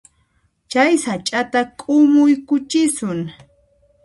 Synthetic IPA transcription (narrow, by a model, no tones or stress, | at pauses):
t͡ʃajsat͡ʃʼat̪akʼʊmʊjkʊt͡ʃɪsʊŋ